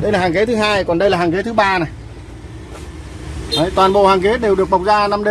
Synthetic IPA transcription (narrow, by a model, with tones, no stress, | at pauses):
ɗə˧jlaː˨˩haː˨˩ŋke˨˦t̪ʰɨ˨˦ɦaː˧jkɔ˨˩nɗə˧jlaː˨˩haː˨˩ŋke˨˦t̪ʰɓaː˧na˨˩j | ʔə˨˦jt̪waː˨˩nɓo̰˧˨haː˨˩ŋke˨˦ɗe˨˩wɗɨ˨˩ək̚ɓə˨˩wk͡p̚zaː˧na˧mɗe˧